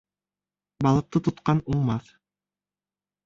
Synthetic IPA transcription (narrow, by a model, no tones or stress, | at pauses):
bɑlˠɤ̆q̚t̪ɤt̪ŏt̪qɑnuɴmɑθ